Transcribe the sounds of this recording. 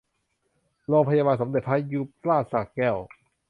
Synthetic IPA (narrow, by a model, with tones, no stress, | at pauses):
lɔː˧ŋpʰa˧jaː˧baː˧nsa˩˦md̪e˨˩t̪̚pʰa˦˥jju˦˥p̚laː˥˩t̪̚sa˨˩k̚kɛ˧˩w